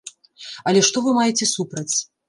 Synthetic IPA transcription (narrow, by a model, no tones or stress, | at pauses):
ɐlʲɛʂt̪ɔvɨmajɛt͡sʲɛsupɾɐt͡sʲ